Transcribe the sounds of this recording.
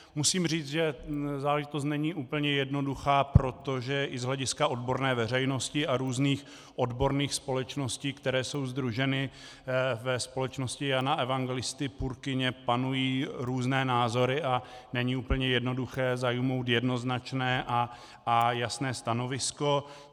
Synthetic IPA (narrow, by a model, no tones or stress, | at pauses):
musiːmr̝iːt͡sʒɛzaːlɛʒɪt̪ost̪nɛɲiːʔuːpl̩ɲɛjɛdno̞duxaːpɾo̞t̪o̞ʒɛʔɪzɦlɛɟɪskao̞dbo̞ɾnɛːvɛr̝ɛjno̞scɪaɾuːzniːx | ʔodbo̞ɾniːxspo̞lɛt͡ʃno̞sciːkt̪ɛɾɛːso̞wzd̪ɾuʒɛnɪ | vɛspo̞lɛt͡ʃnoscɪjanaʔɛvaŋɡɛlɪst̪ɪpuɾkɪɲɛpanujiːɾuːznɛːnaːzo̞ɾɪʔa | nɛɲiuːpəɲɛjɛdno̞duxɛːzajumo̞wt̪jɛdno̞znat͡ʃnɛːʔa | ajasnɛːst̪ano̞vɪsko̞